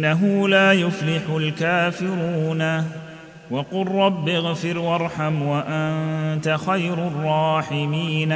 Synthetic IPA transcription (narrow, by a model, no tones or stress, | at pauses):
nːaɦʊlaːjʊflɪħʊlkaːfɪɾuːna | waqʊlˤːɑbːɪɣfɪɾwɑɾˤħamwaʔant̪axajɾʊrˤːɑːħɪmiːn